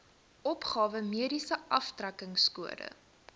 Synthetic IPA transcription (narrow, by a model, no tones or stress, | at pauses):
ʔɔpχɑːvəmiəɾisəʔɐftrækəŋskuəɾə̰